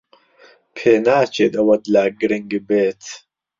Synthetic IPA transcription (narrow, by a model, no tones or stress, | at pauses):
pʰeːnaːt͡ʃed̪ɐwɐd̪laːɡiɾiŋɡibeːt̪ʰ